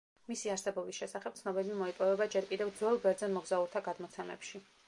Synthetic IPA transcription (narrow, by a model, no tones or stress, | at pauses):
misiaɾsɛbɔbisʃɛsaχɛb̥̚t̪sʰnɔbɛbimɔipʼɔvɛbad͡ʒɛɾkʼid̪ɛvd̪zwɛlˠɡɛɾd̪zɛnmɔɡzauɾt̪ʰaɡad̪mɔt̪sʰɛmɛ̰pʃi